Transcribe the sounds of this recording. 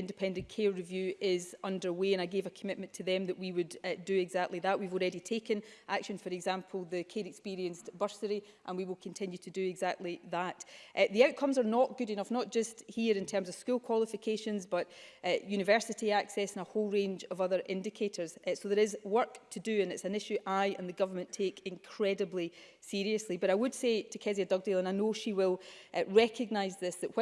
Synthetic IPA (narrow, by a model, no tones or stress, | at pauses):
ɪ̃ndɪpʰɛ̃ndə̃nkʰeɹɪvjʉːʔɪzʌ̃ndə˞weə̃naɪɡevəkʰəmɪʔmə̃ntʰəðɛ̃mðəʔwiwəddɨɪɡzak̚tˡlˠiðəʔwivɔlˠɹɛditʰekə̃nʔakʃə̃nfə˞ɛɡzãmpʰəl̩ˠðəkʰeɾɪkspiɹiə̃nsb̥ɜ˞səɹi | ʔə̃nwiwɪlˠkʰə̃ntʰɪ̃njɨtʰədɨɪɡzak̚tˡlˠiðəʔʔðiaʊʔkʰʌ̃mzə˞nəʔɡ̥ʉɾɪ̃nʌfnəʔ̚d̥ʒ̥ʌsthiɹɪ̃ntʰɜ˞mzəv̥skʉlˠkʰw̥ɔlˠɪfɪkʰeʃə̃nzbʌʔjʉñɪvɜ˞sɪʔiaksɛsə̃nəholˠɹẽnd͡ʒəvʌðə˞ʔɪ̃ndɪkʰeʔə˞z̥soðə˞ɪzwɜ˞ktʰədɨə̃nɪtsə̃nɪʃʉʔaɪʔə̃nðəɡʌvə˞mə̃ntʰekɪ̃nkʰɹ̥ɛdəblˠi | siɹiəslˠibʌɾaɪwəd̥setʰəkʰɛziədʌɡ̚delˠə̃naɪnoʃiwɪlˠɹɛkʰəɡ̚naɪzðɪsðəʔw